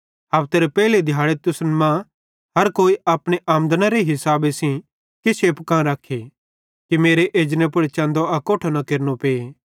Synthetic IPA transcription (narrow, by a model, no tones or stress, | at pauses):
ɦaːʋt̪eːɾepɛːled̪ʱjaːɭet̪ʊsnmã | ɦɐɾkoːiaːpɽ̃eʔaːmnd̪naɾeɦɪsaːbesĩ | kɪseːpkãɾɐkʰːe | kimeːɾeʔeːd͡ʒnẽp̬ʊɽt͡ʃãːnd̪oɐkoːʈʰonɐkeːɾnopeː